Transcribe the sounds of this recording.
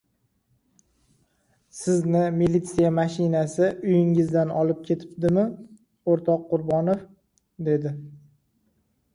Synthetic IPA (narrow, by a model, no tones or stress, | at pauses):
sɪznɪmilit̪sijamaʃɪnasɪʔʊjɪŋɪzd̪anɒlɪp̚kʲʰe̞t̪ʰɪ̥pd̪ɪmɪ | oɾt̪ʰɒqːʊɾbɒnof | d̪e̞d̪ɪ